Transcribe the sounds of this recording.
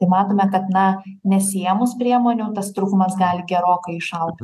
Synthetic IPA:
t̪ɐɪmɑːt̪oːmʲɛkɐt̪nɐnʲɛsʲeːmʊspʲɾʲiɛmoːnʲuːt̪ɐst̪ɾuːkʊmɐsɡɑːlʲɪɡʲɛɾoːkɐɪɪʃɐlˠtʲ

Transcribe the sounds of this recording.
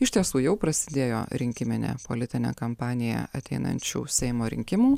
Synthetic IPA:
ɪʃʲt̪ʲiɛsuːjɛʊpɾɐsʲɪd̪ʲeːjo̰ːɾʲɪŋʲkʲɪmʲɪnʲḛːpo̰lʲɪt̪ʲɪnʲḛːkɐmpɑːnʲɪjɛ̰ɐt̪ʲɛɪnɐ̰nʲt͡ʃʲṵːsʲɛɪmoːɾʲɪ̰ŋʲkʲɪmuː

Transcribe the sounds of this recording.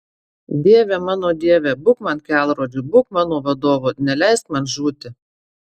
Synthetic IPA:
d̪ʲiɛʋʲeːmɑːnoːd̪ʲiɛʋʲeːbʊkmɐnkʲæːˑlˠɾoːd͡ʒʲuːbʊkmɑːnoːʋɐd̪oːʋoːnʲɛlʲæˑɪst̪mɐnʒuːt̪ʲɪ

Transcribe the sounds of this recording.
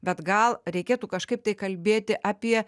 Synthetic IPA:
bʲɛt̪ɡɐlˠɾʲɛɪkʲeːt̪uːkɐʃkɐɪp̚t̪ɐɪkɐlʲbʲeːt̪ʲɪʔɑːpʲiɛ

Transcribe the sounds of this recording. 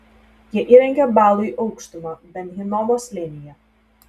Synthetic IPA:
jiɛʔiːɾʲɛŋʲɡʲɛbɑːlˠʊiʔɔʊkʃt̪ʊmɐbʲɛnɦʲɪnɔmoːslʲɪnʲɪjɛ

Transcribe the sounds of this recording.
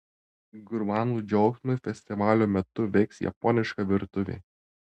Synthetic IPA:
ɡʊɾmɑːnuːd͡ʒʲɔʊksmʊfʲɛsʲt̪ʲɪʋɑːlʲoːmʲɛt̪ʊʋʲɛɪksjɛ̰pɔnʲɪʃkɐʋʲɪɾt̪ʊʋʲḛː

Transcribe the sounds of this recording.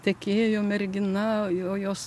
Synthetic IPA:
t̪ʲɛkʲeːjoːmʲɛɾʲɡʲɪnɐoːjoːs

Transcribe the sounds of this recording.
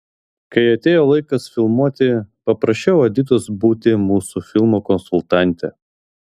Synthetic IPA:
kɐɪɐt̪ʲeːjoːlˠɐɪkɐsfʲɪlˠmuɔt̪ʲɪpɐpɾɐʃʲt͡ʃʲɛʊɐd̪ʲiːt̪oːsbuːt̪ʲɪmuːsufʲɪlˠmokɔnsʊlˠt̪ɑˑnʲˑt̪ʲɛ̰

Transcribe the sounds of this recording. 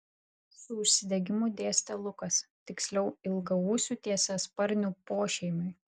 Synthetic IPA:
sʊʊʃʲsʲɪd̪ʲɛɡʲɪmuːˑd̪ʲeːsʲt̪ʲɐlˠʊkɐst̪ʲɪksʲlʲɛʊɪlˠɡɐuːsʲuːt̪ʲiɛsɐspɐɾʲnʲuːpoːʃʲɛɪmʲʊj

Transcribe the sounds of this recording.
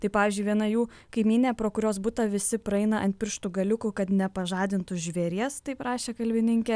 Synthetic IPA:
t̪ɐɪpɑːʋʲiːzʲd͡ʒʲʊɪʋʲiɛnɐjuː | kɐɪmʲiːnʲepɾoːkʊɾʲoːsbʊt̪ɐʋʲɪsʲɪpɾɐɛɪnɐʔɐnt̪̚ʲpʲɪɾʃt̪uɡɐlʲʊkʊkɐt̪nʲɛpɐʒɑːd̪ʲɪnt̪ʊʒʲʋʲɛɾʲiɛst̪ɐɪprɑːʃʲeːkɐlʲbʲɪnʲɪŋʲkʲɛ

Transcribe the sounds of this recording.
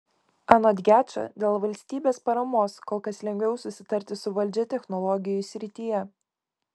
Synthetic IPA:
ɑnoːd̪ʲɡʲæːt͡ʃʲɐ̰d̪ʲeːlˠʋɐlʲsʲt̪ʲiːbʲeːspɐɾɐmoːskoːlˠkɐslʲɛŋʲɡʲʋʲɛʊsʊsʲɪt̪ɐɾʲt̪ʲɪsʊʋɐlʲd͡ʒʲɛt̪ʲɛxnɔlˠɔɡʲɪjʊsʲɾʲɪt̪ʲijɛ

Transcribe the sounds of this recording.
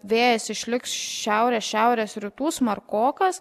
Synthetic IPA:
ʋʲeːjɛsɪʃʲlʲɪksʃʲæʊɾʲeːsʃʲæʊɾʲeːsɾʲɪt̪uːsmɐɾkoːkɐs

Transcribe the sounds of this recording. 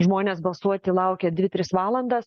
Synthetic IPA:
ʒmoːnʲeːsbɐlˠsuɔt̪ʲɪlˠɐʊkʲɛd̪ʲʋʲɪt̪ʲɾʲɪsʋɑːlˠɐnd̪ɐs

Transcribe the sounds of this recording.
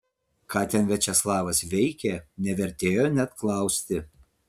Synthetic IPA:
kɑːt̪ʲɛnʋʲɛt͡ʃʲɛslˠɑːʋɐsʋʲɛɪkʲɛnʲɛʋʲɛɾʲt̪ʲeːjoːnʲɛt̪klˠɐˑʊsʲt̪ʲɪ

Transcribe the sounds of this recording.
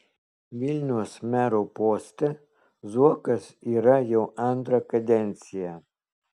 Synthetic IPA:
ʋʲɪlʲnʲuʊsmʲæːɾopoːsʲt̪ʲɛ | zuɔkɐsiːɾɐjɛʊɐnt̪ɾɐkɐd̪ʲɛnʲt̪sʲɪjæ

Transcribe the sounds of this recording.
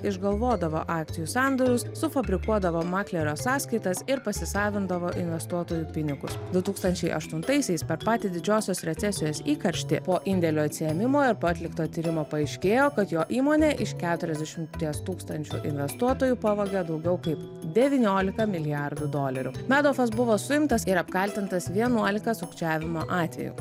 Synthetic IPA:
ɪʒɡɐlˠʋoːd̪ɐʋo̰ːʔɑːk̚t̪ʲɪjuːsɑˑnd̪oɾʲʊssʊfɐbʲɾʲɪkuɔd̪ɐʋoːmɑːklʲɛɾʲoːsɑːskɐɪt̪ɐsɪɾpɐsʲɪsɑːʋʲɪnd̪ɐʋoːʔɪnʲʋʲɛst̪uɔt̪oːjuːpʲɪnʲɪɡʊ̰sd̪ʊt̪uːkst̪ɐnʲt͡ʃʲɛɪʔɐ̰ʃt̪ʊnt̪ɐɪsʲɛɪspʲɛɾpɑːt̪ʲɪd̪ʲɪd͡ʒʲoːsʲoːsɾʲɛt̪sʲɛsʲɪjoːsiːkɐɾʲʃʲt̪ʲɪ̰poːʔɪnʲd̪ʲɛlʲoːɐt̪ʲsʲɪjɛmʲɪmoːɪɾpoːɐt̪ʲlʲɪkt̪oːt̪ʲiːɾʲɪmoːpɐɐɪʃʲkʲeːjoːkɐt̪joːʔiːmoːnʲeːʔɪʃkʲæːt̪ʊɾʲɛzd̪ʲɛʃʲɪmt̪ʲiɛst̪uːkst̪ɐnʲt͡ʃʲṵʔɪ̰nʲʋʲɛst̪uɔt̪oːjuːpɑʋoːɡʲɛd̪ɐʊɡʲɛʊkɐɪp | d̪ʲɛʋʲiːnʲoːlʲɪkɐmʲɪlʲɪjæɾd̪ʊd̪oːlʲɐɾʲʊ̰mʲæːd̪oːfɐsbʊʋoːsʊjɪmt̪ɐsɪɾɐpkɐlʲt̪ʲɪnt̪ɐsʋʲiɛnuɔlʲɪkɐsʊkt͡ʃʲæːʋʲɪmoːʔɑːt̪ʲʋʲɛ̰jṵː

